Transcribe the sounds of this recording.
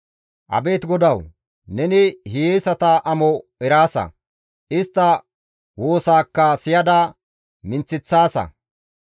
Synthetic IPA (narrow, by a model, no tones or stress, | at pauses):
ʔɐ̰be̞ːt̪ɡɔd̪ɐw | nɛnɪhijeːsɐt̪ɐʔɐmɔɛɾaːsɐ̰ | ʔɪst̪ːɐ | wo̞ːsaːkːɐsɪjɐd̪ɐ | mɪnt͡sːɪt͡sːaːsɐ̰